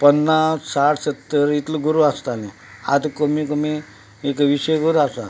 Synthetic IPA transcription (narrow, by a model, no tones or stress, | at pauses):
pənːassaʈʰsət̪ːəɾit̪ləɡuɾuast̪ale | a̰d̪komikomi | ekʋisəjɡoɾuasa